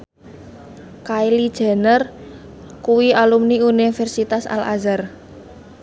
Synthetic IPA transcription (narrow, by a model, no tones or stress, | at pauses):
kailid̥ʒ̥ɛ̤nər | kuwialumniunifɛrsit̪asa̰la̰zar